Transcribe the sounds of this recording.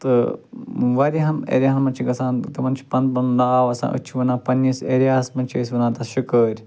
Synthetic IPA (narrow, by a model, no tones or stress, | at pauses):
t̪ɨ | ʋɐɾiɦɐnḛːɾʲjaɦɐnmɐnʲt͡ʃʰiɡɐsãːnt̪ɐmɐnt͡ʃʰi̥pɐnpɐnd̪aːʋɐsã̰ːʔɨ̰t͡ʃʰiʋɐnaːpɐnːiseːɾijaːsmɐnt͡ʃʰiəs̬ʲʋɐnãːt̪ɐʃukəːɾʲ